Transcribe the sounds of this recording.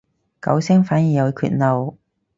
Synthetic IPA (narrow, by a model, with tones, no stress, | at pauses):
kɐ̰˨˥wsɛː˥ŋfaː˨˥njiː˨˩jɐ˨˧wkʰy̰ː˧t̚nɐ˨˧w